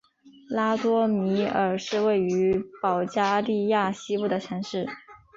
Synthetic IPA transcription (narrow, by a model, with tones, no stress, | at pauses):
la˥t̪wɔ˥mi˧˥ə˞˨˩ʂɻ̩˥˧we˥˩ɪy˧˥pɑ˨˩ʊt͡ɕja˥li˥˧ja˥˩ɕi˥pu˥˩d̪ə˩t͡ɕʰɛ˧˥nʂɻ̩˥˩